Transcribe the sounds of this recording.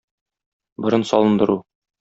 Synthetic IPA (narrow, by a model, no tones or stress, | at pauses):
bŏɾɤnsɒlˠɤ̆nd̪ɤ̆ɾu